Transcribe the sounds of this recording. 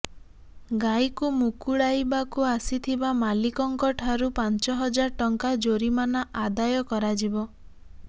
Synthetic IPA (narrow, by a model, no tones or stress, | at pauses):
ɡajkumukuɽajbakuasit̪ʰibamalikɔŋkɔʈʰaɾupant͡ʃɔɦɔd͡ʒaɾʈɔŋkad͡ʒoɾimanaʔad̪ajɔkɔɾad͡ʒibɔ